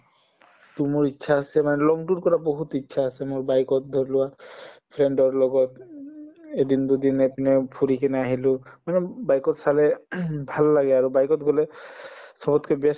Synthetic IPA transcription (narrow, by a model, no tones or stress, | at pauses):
t̪umoɹitːʃʰaːsɛmanɛlɔŋʈunkɔɹaboɦut̪itːʃʰaːsɛmoɹbajkɔt̪̚d̪ʱɔɾlʊwapʰɾeɳɖɔɹlɔɡɔt̪ | ed̪ind̪ud̪inapinɛpʰuɾikɛnɛaɦilʊmanɛbajkɔt̪salɛbʱalːaɡɛaɹubajkɔt̪ɡolɛ | sɔbɔt̪ʰkebɛs